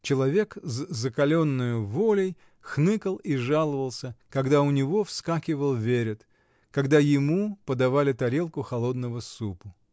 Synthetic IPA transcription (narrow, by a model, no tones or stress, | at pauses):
t͡ɕɪlˠɐvʲe̞kzzəkɐlʲo̞nːʊjʊvolʲɪj | xnɨkəlˠiʐalˠəvəlˠsʲəkɐɡd̪aʊnʲɪvo̞fskakʲɪvəlˠvʲeɾʲɪt̪ | kɐɡd̪ajɪmupəd̪ɐvalʲɪt̪ɐɾʲe̞lˠkʊxɐlˠo̞d̪nəvəsupʊ